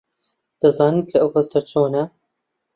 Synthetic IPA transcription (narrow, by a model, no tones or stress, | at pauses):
d̪̥ɐzɑːnɨnkʰɐɐwhɐst̪ɐt͡ʃʰoːnɐ